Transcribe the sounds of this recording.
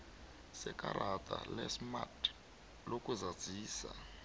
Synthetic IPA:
sɛkaɾʔatʼa̰lɛsmat | lokʼuzḁd͡zʱiːsa̰

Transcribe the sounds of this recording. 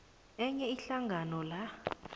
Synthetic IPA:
ɛɲɛiɬaŋɡʱanɔla

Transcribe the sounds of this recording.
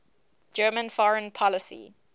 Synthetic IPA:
d͡ʒɜːmə̃nfɔɹə̃npʰɔləsḭ

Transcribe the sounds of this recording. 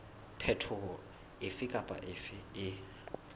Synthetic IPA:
pʰɛtʰʊɔ | ɪfɪkʼapʼa̰ʔɪfɪɪ

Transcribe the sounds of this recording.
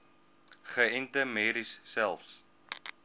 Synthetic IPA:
χəɛntəmeːɾisːɛlˠfs

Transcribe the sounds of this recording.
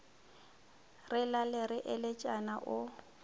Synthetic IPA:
rɪlalɪɾɪʔɪlɪt͡ʃʼanaʔʊ

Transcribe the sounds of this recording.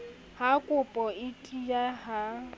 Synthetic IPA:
hakʼʊpʼɔɪtʼijaɦa

